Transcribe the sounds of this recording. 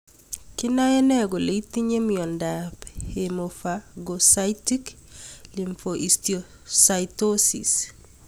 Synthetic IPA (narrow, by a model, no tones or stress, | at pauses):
kinajɛnɛɡoleit̪iɲemiɔndaphemofaɡosaitik | liɱfoʔistiɔ | saitosḭs